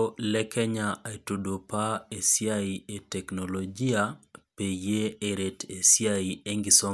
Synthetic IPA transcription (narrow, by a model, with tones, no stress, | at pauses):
lɛ˦kɛ˦ɲa˨e˨tu˨do˨pa˦e˨sja˦ie˨tɛ˨knolod͡ʒi˦ape˨je˦e˨ɾe˨te˨sjaie˦ŋɡɪso˦